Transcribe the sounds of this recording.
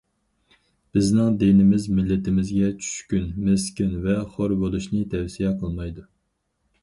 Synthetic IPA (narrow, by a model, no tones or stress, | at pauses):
b̥ɪznɪŋd̪enɪmɪzmɪlːɪt̪ɪmɪzɡʲɛt͡ʃʰy̥ʃkʲynmeskʲynvɛχoɾbolˠuʃnɨt̪ʰɛwsijɛqʰəlˠmɑjd̪u